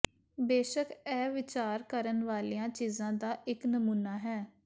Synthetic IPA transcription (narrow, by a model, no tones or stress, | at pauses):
beːʃəkɛːʋɪt͡ʃaːɾkəɾənʋaːlijãːt͡ʃiːzãːd̪aːʔɪknəmuːnaːɦɛː